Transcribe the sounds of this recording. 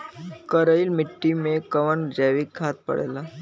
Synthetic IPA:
kəɾəilmɪʈːimẽkəʋənd͡ʒɛːʋikʰːaːt̪̚pə̰ɽḛːla

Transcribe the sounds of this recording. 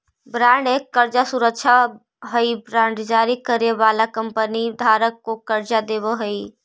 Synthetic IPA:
bɾãːɳɖekːəɾd͡ʒasuɾəkʃʰa | ɦəibɾãːɳɖd͡ʒaːɾikəɾeʋaːlakəmpənid̪ʱaːɾəkːokəɾd͡ʒad̪ebəɦəi

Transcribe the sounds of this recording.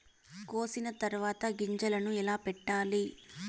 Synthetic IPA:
koːsinɐt̪ɐɾʋaːt̪ɐɡiɲd͡ʒɐlɐnuɛlaːpɛʈːaːli

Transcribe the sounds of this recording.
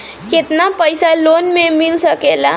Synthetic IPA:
ket̪napəjsalonmemilsəkela

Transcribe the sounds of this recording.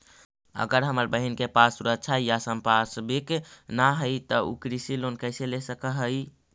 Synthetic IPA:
ə̰ɡəɾɦəməɾbəɦinkepasuɾək̚t͡ʃʰajasəmpasbiknaɦəjt̪əṵkɾisilonkəɪselesəkəɦəj

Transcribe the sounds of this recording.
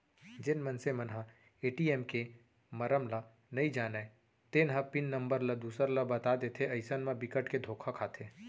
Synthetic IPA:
d͡ʒɪnmɐnsemɐnɦã | eːʈiːɛːmke | mɐɾəmla | nɐid͡ʒaːnae | t̪eːnɦapɪnːəɐ̃mbəɾlɐd̪uːsəɾləbɐt̪ad̪et̪ʰeɐɪsənmãbɪkəʈked̪ʱoːkʰakʰaːt̪ʰeː

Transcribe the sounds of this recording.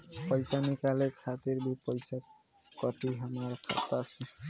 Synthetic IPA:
pɔjsanikalekʰat̪iɹbipɔjsa | kɔʈiɦamːaɹkʰa̰t̪ase

